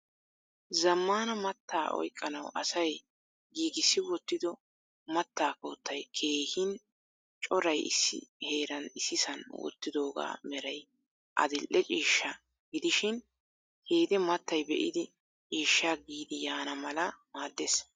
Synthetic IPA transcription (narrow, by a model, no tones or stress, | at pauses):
zɐmːaːnɐmɐt̪ːaːʔɔ̰jkʼːɐnɐwʔɐ̰sɐj | ɡiːɡɪsːɪwɔt̪ːɪd̪ɔ | mɐt̪ːaːkoːt̪ːɐjkʰe̞ːhɪn | t͡ʃʼɔɾɐjɪ̰sːɪ̰he̞ːɾɐnɪsɪsɐnwɔ̰t̪ːɪd̪o̞ːɡa̰ːmɛɾɐj | ʔɐ̰d̪ɪlʔɛt͡ʃʼiːʃːɐ | ɡɪd̪ɪʃɪn | heːd̪ɛmɐt̪ːɐjbɛʔɪd̪ɪ | t͡ʃʼiːʃːaɡiːd̪ɪjaːnɐmɐlɐmaːd̪ːeːs